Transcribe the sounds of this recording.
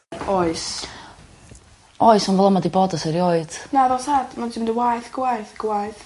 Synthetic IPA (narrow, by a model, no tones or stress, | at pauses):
ɔɨs | ɔɨsanvɛlˠəmadiboːdəsɛɾioɨd̥naðɔsadmansʰimdəwajθɡ̥wajθɡ̥wajθ